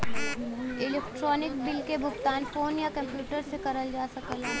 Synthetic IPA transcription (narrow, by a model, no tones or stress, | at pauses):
ɪlɛːk̚ʈɾɔːnɪk̚bɪlkebʱʊxt̪aːnfoːnjakɐ̃mpjuːʈəɾsekɐɾəld͡ʒaːsɐkəlɛː